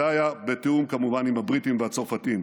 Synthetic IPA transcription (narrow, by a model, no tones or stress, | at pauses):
ajabe̞teumkamuvanimhabʁitimvehat͡soʁfatim